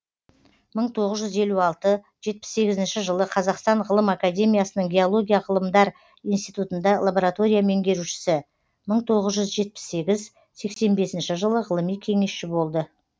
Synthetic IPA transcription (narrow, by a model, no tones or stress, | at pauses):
məɴt̪ʰo̞ʁəzʒʏze̞luɑlˠt̪ə | ʒ̥e̞t̪̚pɪ̥sːe̞ɡʲɪzɪnʃɪʒəlˠəqʰɑzɑqst̪ɑɴʁəlˠəmakad̪ʲe̞mʲijasənəŋɡʲe̞olˠo̞ɡʲijaʁəlˠəmd̪ɑɾ | ijnst̪ijt̪ut̪ənd̪ɑlˠaboɾat̪o̞ɾʲijame̞ŋɡʲe̞ɾuʃɪ̥sɪ | məɴt̪ʰo̞ʁəzʒʏzʒe̞t̪̚pɪ̥sːe̞ɡʲɪz | se̞kse̞nbe̞sɪnʃɪʒəlˠəʁəlˠəmijkʲʰe̞ŋe̞sʃɪbo̞lˠd̪ə